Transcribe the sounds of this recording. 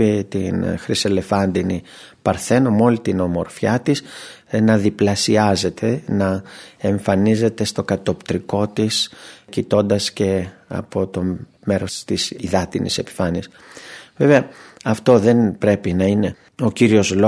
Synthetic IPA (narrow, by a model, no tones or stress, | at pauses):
it̪inxɾise̞le̞fɐnd̪ini | pɐɾθe̞nomo̞lit̪ino̞mo̞ɾfçɐt̪is | nɐðiplɐsiɐze̞t̪ʰe̞nɐeɱfɐnize̞t̪e̞st̪o̞kɐt̪o̞pt̪ɾiko̞t̪iscit̪o̞nd̪ɐsce̞ɐ̰po̞t̪o̞ | me̞ɾo̞st̪isiðɐt̪inḭse̞pi̥fɐniɐs | ve̞ve̞ɐɐft̪o̞ðe̞npɾe̞pinɐine̞ | o̞ciɾio̞zlo